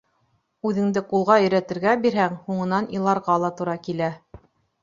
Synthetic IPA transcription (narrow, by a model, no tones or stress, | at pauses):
ʉðɘ̆ŋd̪ɘqulˠʁɑɵ̆jɾæt̪ɘ̆ɾɡæbiɾɦæŋhuɴɤ̆nɑnilˠɑɾʁɑlˠɑt̪uɾɑkilæ